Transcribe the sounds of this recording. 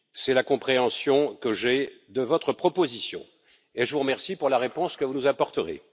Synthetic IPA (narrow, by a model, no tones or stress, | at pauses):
sɛlakɔ̃pχeɑ̃sjɔ̃kəʒɛd̪əvɔt̪χəpχɔpozisjɔ̰̃ | eʒəvuʁəmɛʁsipuʁlaʁepɔ̃skəvunuzapɔʁt̪əʁḛ